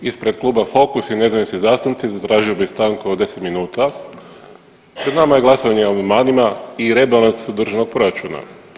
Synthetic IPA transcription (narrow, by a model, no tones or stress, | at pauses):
ispɾe̞d̪̚klˠuːbafo̞kusine̞zaʋisnizaːst̪unt̪sizat̪ɾaːʒio̞bist̪aŋkood̪e̞se̥t̪minuːt̪a | pɾed̪namajeɡlˠasoɲeomamaːnimaiɾebelˠansod̪r̩ʒeno̞ɡ̚pɾo̞ɾat͡ʃuna̰